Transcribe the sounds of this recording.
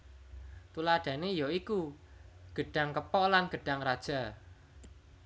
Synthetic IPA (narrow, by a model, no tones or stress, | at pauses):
t̪ulaɖ̥ä̤nejoiku | ɡ̥əɖ̥a̤ŋkəpɔʔlanɡ̥ə̤ɖ̥a̤ŋrad̥ʒ̥a̤